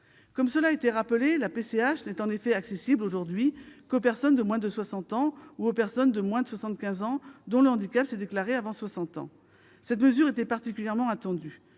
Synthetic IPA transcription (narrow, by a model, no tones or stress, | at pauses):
kɔmsəlaet̪ɛʁapəlelapeseaʃnɛt̪ɑ̃nefɛaksesibloʒuʁd̪ɥikopɛʁsɔnd̪əmwɛ̃d̪əswasɑ̃t̪ɑ̃uopɛʁsɔnd̪əmwɛ̃d̪əswasɑ̃t̪̚kʲɛ̃zɑ̃d̪ɔ̃ləɑ̃d̪ikʲapsɛd̪eklaʁeavɑ̃swasɑ̃t̪ɑ̰̃ | sɛt̪məzyʁet̪ɛpaʁt̪ikʲyljɛʁmɑ̃at̪ɑ̃d̪y